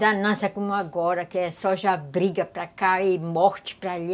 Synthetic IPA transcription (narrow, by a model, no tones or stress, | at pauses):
d̪anãsakumoaɡoɾakeɛsoʒabɾiɡapɾakaimoxt͡ʃpɾaʎ